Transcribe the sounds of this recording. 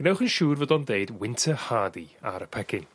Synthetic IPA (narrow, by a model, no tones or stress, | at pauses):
ɡ̥ənɛwχənʃuːrvədɔndeɨdwɪntʰəhaːdia̰ɾəpʰɛkʰɪn